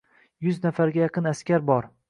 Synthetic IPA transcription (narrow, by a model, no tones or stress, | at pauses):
jʊznafaɾɡʲajɑqʰɨnaskʲaɾbɒɾ